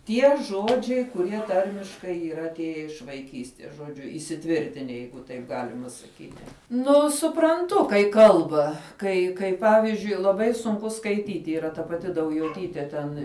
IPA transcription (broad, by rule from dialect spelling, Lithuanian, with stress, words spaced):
ˈtʲiɛ ˈʒoːd͡ʒʲɛɪ kʊˈrʲiɛ ˈtɐrʲmʲɪʃkɐɪ iːˈrɐ ɐtʲˈeːjɛ ɪʃ ʋɐɪˈkʲiːsʲtʲiɛs ʒoːˈd͡ʒʲʊ iːsʲɪˈtʲʋʲɪrʲtʲɪnʲɛ ˈjɛɪɡʊ tɐɪp ˈɡɑːlʲɪmɐ sɐˈkʲiːtʲɪ ˈnʊ sʊprɐnˈtʊ kɐɪ ˈkɐlˠbɐ ˈkɐɪ kɐɪ ˈpɑːʋʲɪzʲd͡ʒʲʊɪ lˠɐˈbɐɪ sʊŋˈkʊ skɐɪˈtʲiːtʲɪ iːˈrɐ tɐ pɐˈtʲɪ dɐʊjoːˈtʲiːtʲeː tʲɛn